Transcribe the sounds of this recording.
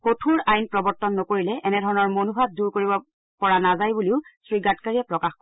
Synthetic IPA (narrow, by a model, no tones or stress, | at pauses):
kotʰuɹajnpɹɔbɔɹtɔnːɔkoɹilɛʔɛnɛdʱɔɹɔnɔɹmonubʱat̚duɹkoɹibɔ | pɔɹanazajbuliʊsɹiɡatkaɹiɛpɹɔkaxkɔ